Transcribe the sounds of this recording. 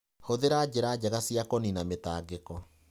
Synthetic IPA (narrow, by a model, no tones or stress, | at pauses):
hoðeɾad͡ʑeɾad͡ʑɛɣasiakɔninametaːɡekɔ